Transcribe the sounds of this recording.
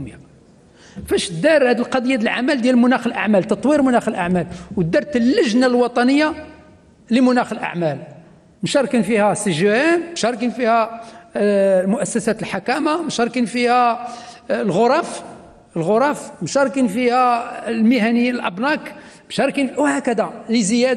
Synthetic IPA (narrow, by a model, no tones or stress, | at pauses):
mjæ | fæʃd̪ɑɾˤhæd̪əlqɑd̪ˤəjːad̪əlʕa̰mæld̪jælmʊnæxəlʔa̰ʕmælt̪ɑt̪ˤwiɾmʊnæxəlʔa̰ʕmælwd̪ːɑɾˤt̪əlːəʒnalwɑt̪ˤɑnəjːa | ləmʊnæxəlʔa̰ʕmæl | mʃɑɾˤkinfihæsːəʒænmʃɑɾˤkinfihæ | mʊʔæsːæsæt̪əlħakæmamʃɑɾˤkinfihæ | lɣʊɾˤɑf | əlɣʊɾˤɑfmʃɑɾˤkinfihælməhænijnəlʔɑbnɑkmʃɑɾˤkinwhækæd̪æləzəjæd̪